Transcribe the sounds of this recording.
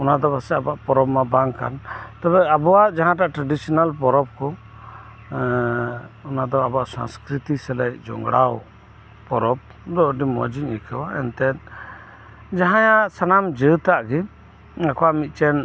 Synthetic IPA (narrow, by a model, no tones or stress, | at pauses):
ɔnad̪ɔbasɛabaʔpɔɾɔbmabaŋka̰nt̪abɛabɔwaʔd͡ʒaɦãʈaʔʈɾaɖisɔnalpɔɾɔb̚kɔ | ɔnad̪ɔabɔaʔsa̰nskɾit̪isɛlɛcd͡ʒɔ̰ŋɡɽaw | pɔɾɔb̚ | d̪ɔʔɖimɔ̰d͡ʒiɲikʰəwaɛ̰nt̪ɛt̪ | d͡ʒaɦãjaʔsanamd͡ʒət̪aʔɡɛ | akɔwaʔmit̪̚ˀt͡ʃɛn